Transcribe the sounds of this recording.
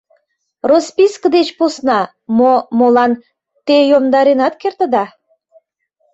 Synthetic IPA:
rospiskəd̪et͡ɕposnɑ | momolɑn | t̪ejomd̪ɑɾenɑt̪kert̪ə̆d̪ɑ

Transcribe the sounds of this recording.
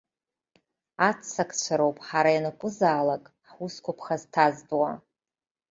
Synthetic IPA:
at͡sʰːakʰʼt͡ɕʷʰaɾowpʼħaɾajnakʷʼʊzaːlakʼ | ħuskʷʰʊpʰχaztʰazdʼwa

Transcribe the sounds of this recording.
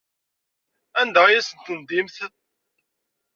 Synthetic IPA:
ænd̪æʁjæsənt̪ənd̪imθə

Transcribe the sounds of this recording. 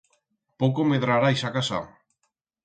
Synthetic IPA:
powkomeðɾaɾajsakasa̰

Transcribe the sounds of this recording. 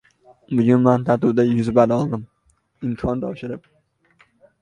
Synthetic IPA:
bʊɡʲʊnmant̪ʰaɾt̪ʰʊd̪ajʊzbad̪ɒlˠd̪ɪm | ɪmkʰɒnt̪ʰɒwʃɪɾɪp̚

